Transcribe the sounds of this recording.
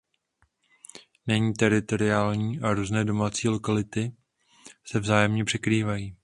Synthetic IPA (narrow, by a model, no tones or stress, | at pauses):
nɛɲiːt̪ɛɾɪt̪o̞ɾɪaːlɲiːʔaɾuːznɛːdo̞maːt͡siːlo̞kalɪt̪ɪ | sɛvzaːjɛmɲɛpr̥ɛkɾiːvajiː